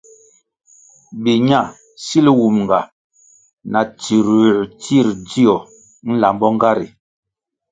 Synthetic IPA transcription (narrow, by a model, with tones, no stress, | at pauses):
bi˨ɲa˦˨ | si˦li˦wu˨mŋ˨ɡa˨ | na˨ti˨ɾu˨ti˦˨ɾdi˦ɔ˨ | n̩˦la˨mbɔ˦ŋ˦ɡa˦ɾḭ˨